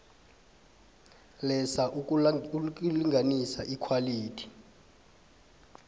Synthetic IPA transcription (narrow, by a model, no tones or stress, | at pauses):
lɛsaʔ | k̬ʼuliŋʱanisaʔikʰwaliːtʰi̥